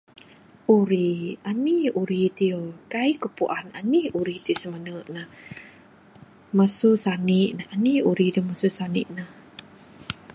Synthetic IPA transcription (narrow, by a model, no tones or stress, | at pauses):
ʔuɾianiuɾit̪iokaikəpuʔananiuɾit̪isəmanəʔnah | masusaniʔnahaniuɾid̪əmasusaniʔnah